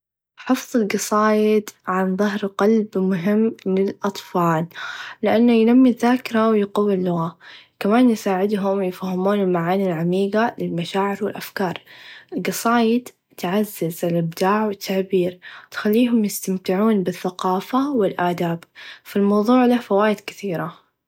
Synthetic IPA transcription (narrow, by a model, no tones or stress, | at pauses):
ħɨfðˤɨlɡɑsˤɑːjɪd̪ʕanðˤɑɦɾqɑlbmʊɦɪmːlɪlʔɑt̪ˤfɑːllɪʔanːajnamːiðːaːkɪɾˤawjqɑwːɪlːʊɣakamaːnjɪsaːʕɪd̪ɦʊmjɪfahːɪmuːnɪlmaʕaːnilʕamiːɡalɪlmaʃaːʕɪɾwɪlʔafkɑːɾˤɪlɡɑsˤɑːjɪd̪ | t̪ʕazːɪzɪlʔɪb̚d̪aːʕwɪt̪ʰːaʕbiːɾt̪xalːiːɦʊmjɪst̪amt̪ɪʕuːnbɪθːaqɑːfawɪlʔaːd̪aːbfilmɑwðˤuːʕlafawaːjɪd̪kɪθiːɾa